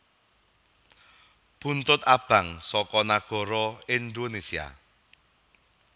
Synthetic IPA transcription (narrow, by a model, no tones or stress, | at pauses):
b̥ṳnt̪ʊt̪̚ab̥a̤ŋsɔkɔnaɡ̥ɔ̤ɾɔɪnd̪onesia̰